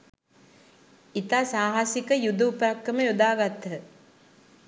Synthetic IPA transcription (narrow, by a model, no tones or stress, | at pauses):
it̪aːsaːɦasikəjud̪əupəɾakːəməjud̪aːɡat̪ːəə